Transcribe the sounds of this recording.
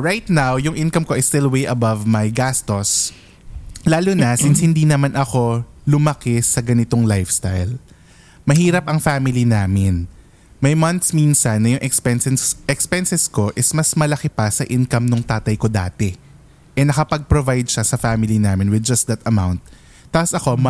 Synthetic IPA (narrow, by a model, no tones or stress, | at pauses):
ɹajt̪̚nawjʊŋʔɪ̃nkɐmkoʔɐjst̪ɪlwejʔɐbɐvmɐjɡast̪os | laːlʊnɐsɪnshɪnd̪inɐmanʔɐko̞lʊmɐkɛsɐɡɐnɪt̪oŋlajfst̪ajl | mɐɦiːɾɐpʔɐŋfaːmɪlinaːmɪn | mɐjmɐnt̪sminsɐnːɐjʊŋʔɛkspɛnsɛʔɛkspɛnsɛsko̞ʔɪsmɐsmɐlɐkɛpɐsɐʔɪnkɐmnʊŋt̪aːt̪ɐjko̞d̪a̰ːt̪ɛ | ʔɛnɐkɐpɐɡ̚pɾovajd̪̚ʃasɐfamɪlinaːmɪnwɪd̪̚d͡ʒɐst̪̚d̪ɐt̪ɐmawnt̪̚ː | aːposɐko̞